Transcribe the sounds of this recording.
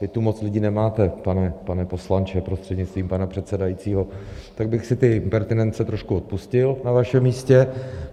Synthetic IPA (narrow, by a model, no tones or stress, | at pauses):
vɪt̪umo̞t͡slɪɟiːnɛmaːt̪ɛpanɛpanɛpo̞slant͡ʃɛpɾost̪r̥ɛdɲɪst̪viːmpanapr̝̥ɛt̪sɛdajit͡siːɦo̞t̪aɡ̚bɪxsɪt̪ɪmpɛɾt̪ɪnɛnt͡sɛt̪ɾo̞ʃkuo̞t̪̚puscɪlnavaʃɛmiːscɛ